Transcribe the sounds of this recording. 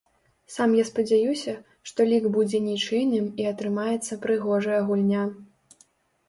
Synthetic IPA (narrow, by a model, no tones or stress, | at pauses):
samjaspɐd͡zʲajusʲɐ | ʂt̪ɔlʲiɡbud͡zʲɛnʲit͡ʂɨjnɨmiɐt̪ɾɨmajɛt̪sːɐpɾɨɣɔʐɐjɐɣulʲnʲa